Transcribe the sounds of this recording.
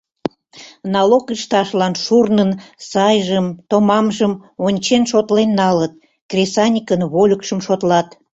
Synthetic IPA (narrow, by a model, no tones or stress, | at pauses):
nɑlokiʃt̪ɑʃlɑnʃurnənsɑjʒəmt̪omɑmʒəmonʲt͡ɕenʃot̪lenːɑlət̪̚ | krʲesɑnʲikənβolʲəkʃəmʃot̪lɑt̪